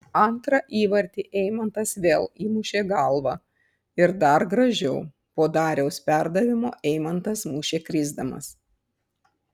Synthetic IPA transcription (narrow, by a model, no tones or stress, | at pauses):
ɐnt̪ɾɐʔiːʋɐɾʲt̪ʲiːʔɛɪmɐnt̪ɐsʋʲeːlˠiːmuʃʲeːɡɐlˠʋɑ | ɪɾd̪ɐɾɡɾɐʒʲɛʊ | poːd̪ɑːɾʲɛʊspʲæɾd̪ɐʋʲɪmo̰ːʔɛɪmɐnt̪ɐsmuːʃʲeːkɾʲɪːzd̪ɐmɐ̰s